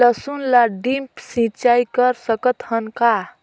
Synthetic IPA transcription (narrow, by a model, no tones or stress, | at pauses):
əsunlaɖimpsĩt͡ʃajkəɾsəkət̪hənka